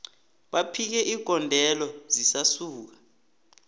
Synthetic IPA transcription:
ɓapʰik̬ɛʔiɡ̥ʱɔndʱɛlɔzisasuːk̬ḁ

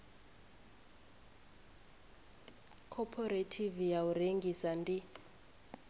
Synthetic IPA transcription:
kʰɔpʰɔretʰivijaureŋɡisandi

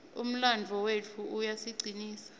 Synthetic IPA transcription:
ṵm̩land͡ɮʱɔwet͡fʰuʔujasiɡ͡ǀʱiniːsḁ

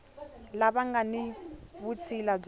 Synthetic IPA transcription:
laβaŋɡaniβut͡sʰilab͡ʐ

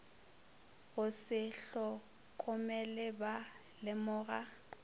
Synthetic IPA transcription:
ɣʊsɪɬɔ | kʼʊmɛlɛba | lɪmʊːɣa

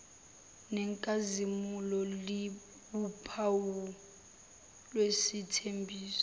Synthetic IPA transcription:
nɛŋkʼazimulɔli | ɓupʰawu | lwesitʰembʱiːsɔ̥

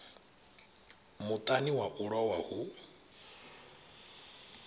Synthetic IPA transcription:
mut̪ʼaniwaʔuɺɔwahu

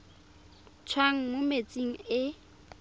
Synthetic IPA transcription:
t͡sʰwaŋ̩mʊmet͡sʼiŋ̩ɪ

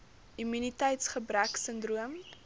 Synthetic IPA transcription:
imynitəjtsχəbræksəndruəm

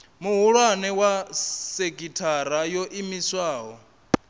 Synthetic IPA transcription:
muɦuɺwanɛwaseɡʼitʰaɾajɔʔimiswaːɦɔ

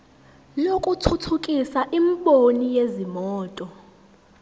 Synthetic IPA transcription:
lokʼutʰutʰukʼisaʔimɓonijezimɔːtʼɔ

